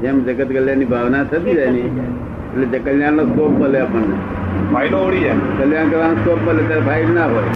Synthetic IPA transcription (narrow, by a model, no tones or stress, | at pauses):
d͡ʒemd͡ʒəɡət̪kəljannibʱaʋnat̪ʰət̪id͡ʒajni | eʈled͡ʒekəljãnoskok̚məleapəɳe | pʰainooɽid͡ʒekəljãnkəʋanosʈokməlet̪aɾpʰailnaɦoj